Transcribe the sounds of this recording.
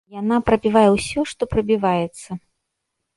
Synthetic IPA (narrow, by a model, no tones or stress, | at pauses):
janapɾɐbʲivajɛwsʲɔʂt̪ɔpɾɐbʲivajɛt̪sːɐ